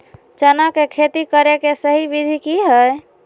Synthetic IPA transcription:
t͡ʃənakekʰet̪ikəɾekesəɦibid̪ʱikiɦəj

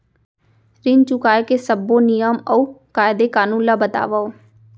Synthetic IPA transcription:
ɾɪnt͡ʃukaːekeːsəbõːnɪjəməuːkaːjd̪eːkaːnũːlaːbət̪a̰ːʋaoː

